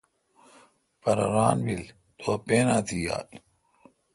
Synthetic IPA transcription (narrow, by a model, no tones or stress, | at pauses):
pɐɾɐɾaːnʋil | t̪ʰoːpeːnaːt̪ʰiːja̰ːl